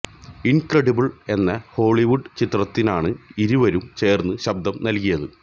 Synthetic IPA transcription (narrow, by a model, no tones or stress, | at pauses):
inkrɐɽibɨɭe̞nːɐho̞ːɭiʋuɖt͡ɕit̪rɐt̪ːinaːɳɨiɾuʋɐɾumt͡ɕe̞ːrnːɨɕɐbd̪ɐmnɐlkijɐðɨ